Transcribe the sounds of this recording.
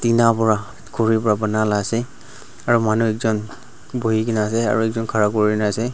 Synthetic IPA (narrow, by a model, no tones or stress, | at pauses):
tinapɔɹa | koɹipɔɹabənalasɛ | aɹumanuɛkzɔn | boɦikinasɛa̰ɹuɛkzɔnkʰaɹakoɹinasɛ